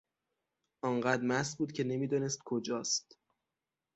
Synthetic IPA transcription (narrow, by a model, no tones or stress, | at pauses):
ʔɒːŋɢæd̪ɾmæsbuːd̪̥cʰe̞ne̞miːd̪ɒnest̪̚kʰod͡ʒɒːst̪